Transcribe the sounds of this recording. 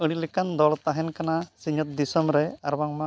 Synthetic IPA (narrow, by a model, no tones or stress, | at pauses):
əɽilekand̪ɔɭt̪aɦɛnkanasiɲɔt̪̚d̪isɔmɾɛa̰ɾbaŋma